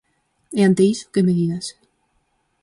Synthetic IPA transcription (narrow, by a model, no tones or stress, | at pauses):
eant̪eiso̥kemeðiɣas